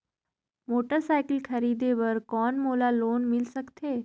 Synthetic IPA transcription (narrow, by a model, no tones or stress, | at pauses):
moːʈəɾsaːɪkəlkʰɐɾiːd̪eʋɐɾkɔːnmoːlaloːnmɪlsɐkt̪ʰeː